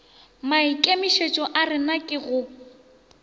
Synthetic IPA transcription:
maikʼemɪʃet͡ʃʼɔʔarɪnakʼɪɣʊ

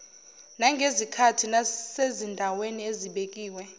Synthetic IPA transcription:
naŋɡʱezikʰatʰinasezindʱawenieziɓekʼiːwɛ

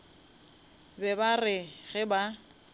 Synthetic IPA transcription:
bɛbarɪɣɪba

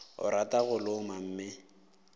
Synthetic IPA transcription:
ʊ̰ɾatʼaɣʊlʊmam̩ːmɪ

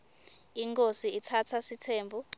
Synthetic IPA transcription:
iŋkʼosiitʰatʰasitʰeːmbʱu

